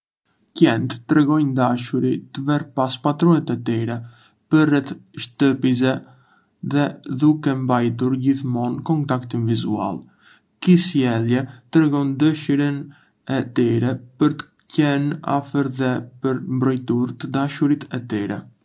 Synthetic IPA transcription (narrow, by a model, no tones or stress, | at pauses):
cɛnt̪t̪ːɾɛɡɔjnd̪aʃuɾit̪əvɛɾpaspat̪ɾɔnɛt̪ɛt̪iɾɛ | pəɾrːɛθʃt̪əpiz̬ɛ | ðɛðukɛmbajt̪̬uɾɟiθmɔnkɔnt̪akt̪invizua̰lˠ | kisjɛlˠjɛt̪ɾɛɡɔnd̪əʃiɾən | ɛt̪iɾɛpəɾt̪ə̥ | cɛna̰fəɾðɛpəɾmbɾɔjt̪uɾt̪əd̪aʃuɾit̪ʰɛt̪iɾɛ̰